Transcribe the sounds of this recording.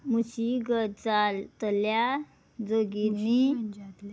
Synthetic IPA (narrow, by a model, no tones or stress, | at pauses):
muɕiɡətd͡zalt̪əlja | d͡zoɡiɾmi